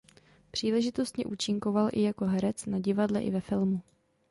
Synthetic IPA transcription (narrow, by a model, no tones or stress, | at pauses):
pr̝̥iːlɛʒɪt̪o̞st̪ɲɛʔuːt͡ʃɪŋko̞valʔɪ̰jako̞ɦɛɾɛt͡snaɟɪvadlɛʔɪ̰vɛfɪlmu